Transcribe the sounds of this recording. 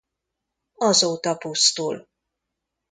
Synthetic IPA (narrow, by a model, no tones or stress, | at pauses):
ɒzoːt̪ɒpust̪ul